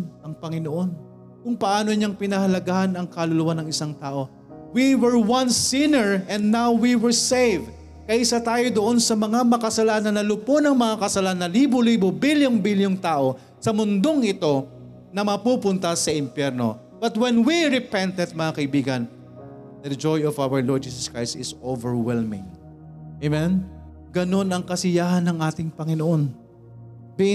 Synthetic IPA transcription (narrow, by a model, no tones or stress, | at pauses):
ɐŋpɐŋɪnoʔo̞n | kʊŋpɐʔaːno̞ɲaŋpɪnɐhɐlɐɡahanɐŋkɐlʊlʊwanɐŋɪsaŋt̪aːʔo̞ | wiwɛɹwɐnsinɛɹʔɛ̃nd̪nːawwiwɛɹsejv | kɐʔɪsat̪aːjo̞d̪oʔo̞nsɐmɐŋamɐkɐsɐlanɐnːɐlʊponɐŋmɐŋakɐsɐlanːɐliːboliːbobiljoŋbiljoŋt̪aːʔo̞ | sɐmʊnd̪o̞ŋʔɪt̪o̞ | nɐmɐpuːpʊnt̪ɐsɐʔɪmpjɛɾno̞̰ | b̥ɐt̪̚wɛnwiɾɪpɛnt̪ɛt̪̚mɐŋakɐibiːɡɐn | d̪ɐd͡ʒojɔvawɐɹlɔɹd̪̚d͡ʒiːsɐskɹajst̪ɪsovɛɹwɛlmɪ̰̃ŋ | emɛn | ɡɐno̞nɐŋkɐsɪjaːhɐnːɐŋʔaːt̪ɪŋpɐŋɪnoʔon | b